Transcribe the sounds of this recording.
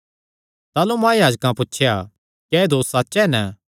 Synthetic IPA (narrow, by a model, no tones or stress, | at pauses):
t̪aːlumãːjaːd͡ʒkãpʊtːʃʰeja | kɛːd̪oːssaːt͡ʃɛnə